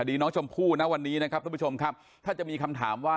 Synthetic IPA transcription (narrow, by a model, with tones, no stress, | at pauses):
a˨˩diː˧nɔː˦˥ŋt͡ɕʰo˧mpʰuː˥˩t̪na˦˥wa˧nːiː˦˥na˦˥kʰa˦˥p̪̚ʰːu˥t͡ɕʰo˧mkʰa˦˥p̚ | t̪ʰaː˥˩t͡ɕa˨˩miː˧kʰa˧mt̪ʰa̰ː˩˦mwaː˥˩